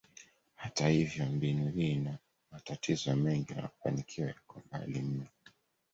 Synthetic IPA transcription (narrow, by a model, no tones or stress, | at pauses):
hatahivjɔmbinuhiːna | matatʰizɔmɛŋɡina̰ufa̰nikʰiwajakɔma̰lim̩ɔ